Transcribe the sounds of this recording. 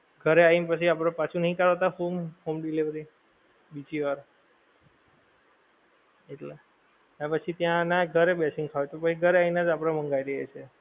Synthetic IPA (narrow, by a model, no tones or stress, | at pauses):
ɡʱəɾeainpət͡ʃʰiap̬ɽepat͡ʃʰunəɦĩkaɭat̪ahomhomɖiliʋɾi | bid͡ʒiʋaɾ | eʈle | nepət͡ʃʰit̪jãnaɡʱəɾebɛsĩŋɡkʰaʋet̪opət͡ʃʰiɡʱəɾeainad͡ʒapɽ̃amə̃ŋɡajɾiɦḛt͡ʃʰe